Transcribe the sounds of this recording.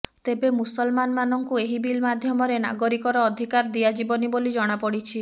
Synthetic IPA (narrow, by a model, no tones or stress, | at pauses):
t̪ebemusɔlmanmanɔŋkueɦibilmad̪ʱjɔmɔɾena̰ɡɔɾikɔɾɔːd̪ʱikaɾd̪iad͡ʒibɔnibolid͡ʒɔɽ̃apɔɽit͡ʃʰi